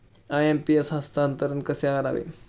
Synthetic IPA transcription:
aempiesɦast̪aːnt̪əɾənkəseaəɾa̰ʋḛ

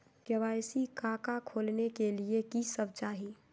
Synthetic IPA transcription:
ɡɐʋaːjsikaːkakʰoːlnekeliekisəb̚t͡ʃaːɦi

